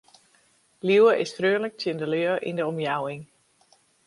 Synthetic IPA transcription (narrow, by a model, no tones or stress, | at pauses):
liwəʔɪsfrøːənlək̚tjɪndəløəʔḭndəɔmjawɪŋ